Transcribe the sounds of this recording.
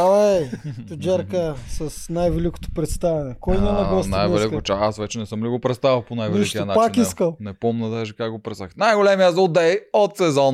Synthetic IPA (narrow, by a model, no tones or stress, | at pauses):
ɐlɛjt̪od͡ʒɛɾkəsɐsnajvɛliko̥t̪o̥pɾɛt̪st̪avɛnɛkɔjinɛnɐɡɔsnajɛlɛk̪ot͡ʃaasvɛt͡ʃɛnɛsəmliɡopɾɛt̪st̪avəlˠponajvɛiik̪ijɐnapat͡ʃkniskəlˠnɛpɔmnɐd̪aʒikakɡopɾɛt̪saxt̪najɡolɛmiazəlˠd̪ɛjot̪sɛzɔn